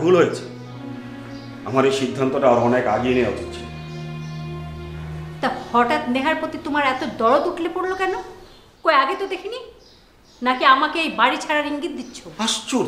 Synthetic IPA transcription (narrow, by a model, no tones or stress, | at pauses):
bʱulɦojet͡ɕʰe̥ | a̰maɾeʃid̪ʱːant̪oʈaɔɾɔnekaɡienejaut̪ʰitːɕʰi | t̪ahɔʈat̪neɦaɾpɾot̪it̪omaɾɛt̪od̪ɔɾot̪uʈʰlepoɽlokɛno | kojaɡet̪od̪ekʰini | nakiamakeejbaɽit͡ɕʰaɾaɾiŋɡit̪̚d̪it̪ːʃʰoaʃt͡ɕuɾ